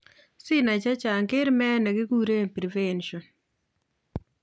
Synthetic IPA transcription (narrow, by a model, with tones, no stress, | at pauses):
sɪ˦na˨t͡ʃa˦t͡ʃa˨ŋkɪ˦ɾmɛ˦nɛ˨ɡɪ˦ɡu˦ɾe˦˨pɾi˨vɛ˦nʃɔ˨n